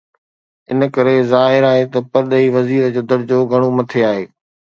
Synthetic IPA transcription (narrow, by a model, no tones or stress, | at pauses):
ɪnəkɐɾezaːɦɪɾaːɦet̪ɐpɐɾɗ̪əiʋɐziːɾəd͡ʑoːd̪ɐɾd͡ʑoːɡʱɐɽ̃omɐt̪ʰeaːɦeː